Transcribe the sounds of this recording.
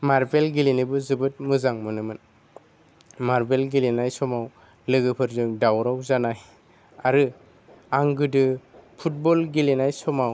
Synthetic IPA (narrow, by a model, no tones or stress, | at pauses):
maɾbelɡilinibɯzɯbɯt̚mɯzaŋmɯnɯmɯn | maɾbelɡilinajsɔmaw | lɯɡɯpʰɯɾzɯŋdawɾawzanaj | aɾɯ | aŋɡɯdɯpʰut̚bɔlɡilinajsɔmaw